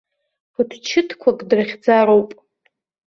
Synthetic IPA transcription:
pʰʊtʰt͡ʃʰɪtʰkʷʰakʼdrɨχʲd͡zaɾowpʼ

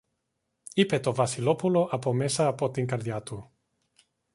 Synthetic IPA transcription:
ipet̪ovasilopuloʔapomesaːpot̪iŋkaɾd̪jat̪u

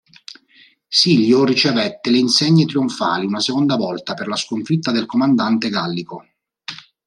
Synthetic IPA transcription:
siʎːorit͡ʃevɛt̪ːeleinseɲːet̪ɾiuɱfa̰ːliunasekond̪avɔlt̪aperlaskoɱfit̪ːad̪elkomand̪ant̪eɡalːiko

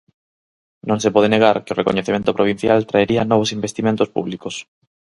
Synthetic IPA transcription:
nõŋsepɔð̞eneɣaɾkɪorʔeko̰ɲeθemẽnt̪opɾoβ̞in̟θjalt̪ɾaeɾiɐnɔβ̞osimbest̪imẽnt̪ospṵβlikos

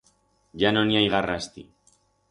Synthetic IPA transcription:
ʝanoniajɣarast̪i

